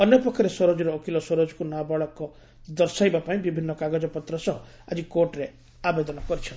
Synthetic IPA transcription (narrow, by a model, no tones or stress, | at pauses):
ɔnjɔpɔkʰːɔɾesɔɾɔd͡ʒɔɾɔːkʰilɔsɔɾɔd͡ʒɔkunabɔɭɔkɔ | d̪ɔɾsajbapaĩbibʱinːɔkaɡɔd͡ʒɔpɔt̪ɾɔsɔɦɔ | ad͡ʒikoɾʈɾe | abed̪ɔnɔkɔɾit͡ʃʰɔn